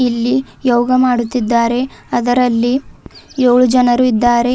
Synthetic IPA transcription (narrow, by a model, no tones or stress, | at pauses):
ilːi | joːɡɐmaːɽut̪ːid̪ːaːɾe̞ɐd̪ɐɾɐlːijoːɭud͡ʒɐnɐɾuid̪ːaːɾe̞